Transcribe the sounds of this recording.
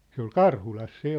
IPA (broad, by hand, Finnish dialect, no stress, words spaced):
se ol kɑrhulɑs se